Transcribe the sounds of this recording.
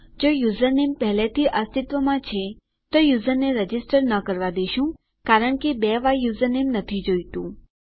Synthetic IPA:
d͡ʒojuzəɾnempəɦlet̪ʰiʔəst̪ɪt̪ʋəmãt͡ʃʰe | t̪ojuzəɾneɾəd͡ʒɪsʈəɾnəkəɾʋad̪eʃũ | kaɾəɳkebɛʋajuzəɾnemnət̪ʰid͡ʒojt̪ũ

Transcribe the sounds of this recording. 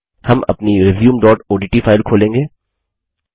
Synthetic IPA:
hɐmɐ̰pniɾɪʋjuːmɖɔːʈoːɖiːʈifʰaːɪlkʰoːlẽːŋɡeː

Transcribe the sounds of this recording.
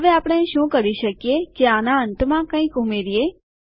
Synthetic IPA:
ɦəʋeapɽ̃eʃũkəɾiʃəkjekeanaənt̪mãkə̃ĩkumeɾije

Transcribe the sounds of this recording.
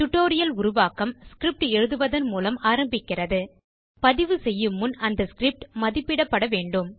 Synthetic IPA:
t̪ʊʈːoːɾɪjɐlʊɾʊʋaːkɐmskɪɾɪp̚ʈɛɻɯðɯʋɐðɐnmuːlɐmaːɾɐmbɪkːɪrɐðɯ | pɐðɪʋɯsɛjːɯmːʊnɐnd̪ɐskɾɪp̚ʈmɐðɪpːɪɽɐpːɐɽɐʋeːɳɖɯm

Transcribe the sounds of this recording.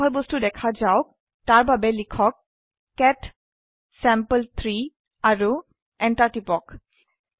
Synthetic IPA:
ɦɔjbostudɛkʰazaʊk̚ | taɹbabɛlikʰɔkː | ɛʈ | sɛmpəlt̪ʰɹi | aɹu | ɛɳʈaʈipɔk

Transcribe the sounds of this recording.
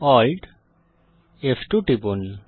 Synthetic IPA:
ɔlɖ | efʈuʈiponi

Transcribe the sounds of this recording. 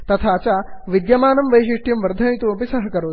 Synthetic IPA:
t̪ɐt̪ʰat͡ɕaʋid̪jɐmaːnɐmʋəjɕiʂʈjɐmʋɐɾd̪ʱɐmjt̪uɐpisɐɦɐkɐɾoː

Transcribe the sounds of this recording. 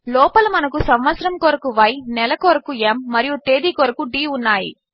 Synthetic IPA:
lɔːpɐlɐmɐnɐkusɐmʋɐsɐɾɐmkoːɾɐkuʋɐjnɛlɐkoːɾɐkuemːɐɾijut̪eːd̪iːkoːɾɐkuɖiːunːaːjḭ

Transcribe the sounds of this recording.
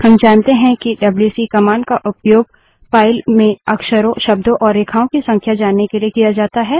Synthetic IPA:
hɐmd͡ʒaːnt̪eɦɛ̃kiɖɐbljuːsikɐmaːnkaʔʊpjoːɡ̚ | paːɪlmẽɐkʃəɾõʃɐb̚d̪õʔɔːɾeːkʰaːõkisɐ̃ŋkʰjad͡ʒaːnːekeliekijad͡ʒaːt̪aɦɛː

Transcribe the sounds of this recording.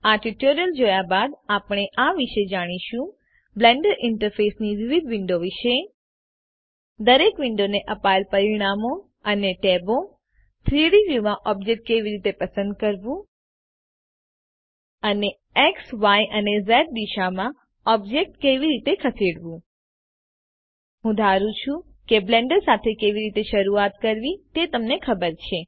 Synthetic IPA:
aʈiʈoɾijəld͡ʒojabad̪apɽ̃eʔaʋiʃed͡ʒaɽ̃iʃũ | blɛ̃ɳɖəɾɪɳʈəɾfesniʋɪʋid̪ʋɪɳɖoʋiʃe | d̪əɾekʋɪɳɖoneʔəpalpəɾiɽ̃amo | əneʈebo | t̪ʰɾiɽiʋjumãʔɔb̚d͡ʒek̚ʈ̚keʋiɾit̪epəsənd̪̚kəɾʋũ | əne | eksʋajʔənezɛʈ̚d̪iʃamã | ɔb̚d͡ʒek̚ʈkeʋiɾit̪ekʰəsiɽʋũ | ɦũd̪ʱaɾũt͡ʃʰũ | keblẽɳɖəɾsat̪ʰekeʋiɾit̪eʃəɾuat̪kəɾʋit̪et̪əmnekʰəbəɾt͡ʃʰe

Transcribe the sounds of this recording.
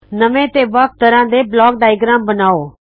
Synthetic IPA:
nəʋẽt̪eːʋɐk̚ʰt̪əɾãːd̪eblɔːk̚ɖaːɪɡɾãːmbənaːoː

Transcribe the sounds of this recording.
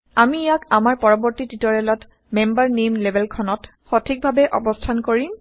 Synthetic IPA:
amijakamaɹpɔɹɔbɔɹtititɔɹɛlɔt | membaɹnemlebʱɛlkʰɔnɔt | xɔtʰik̚bʱabɛʔɔ̰bɔstʰankoɹim

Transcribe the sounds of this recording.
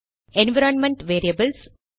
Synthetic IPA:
ẽnʋɐɾɐnmɛ̃ɳʈʋeːɾiɐbəls

